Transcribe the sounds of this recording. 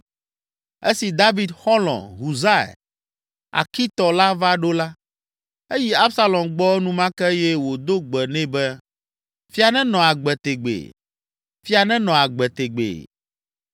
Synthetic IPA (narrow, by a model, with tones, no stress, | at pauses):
e˦si˨d̪a˦vi˨d̪xɔ˦lɔ̰̃˨ɦu˨za˦˨ɛ̰˨ | a̰˨ki˦t̪ɔ˨la˦va˦ɖo˦la˦ | e˦ji˦a˦bsa˦lɔ̃˨mɡ͡bɔ˦ɛ˦nũ˦mã˦kɛ˦jɛ˦wo˨d̪o˦ɡ͡bɛ˨nɛ̃˦bɛ˦ | fi˦a˨nɛ̃˦nɔ̃˨a˨ɡ͡bɛ˨t̪e˨ɡ͡bḛ˨ | fi˦a˨nɛ̃˦nɔ̃˨a˨ɡ͡bɛ˨t̪e˨ɡ͡bḛ˨